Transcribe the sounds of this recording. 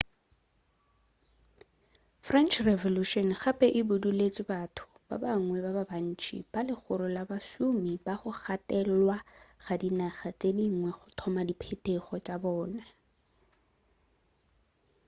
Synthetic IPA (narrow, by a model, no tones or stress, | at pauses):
frɛnt͡ʃʰrɛvɔluʃɔnχapʼɛʔɪbʊdulet͡sʼɪbatʰʊ̥ | b̥a̰baŋŋwɛbababan̩t͡ʃʰʼḭb̥alɪχʊɾʊlabasumibaχʊχatɛlwaχadinaχat͡sʼediŋ̩ŋwɛχʊtʰɔmadipʰetʼeχɔt͡ʃʼabɔːna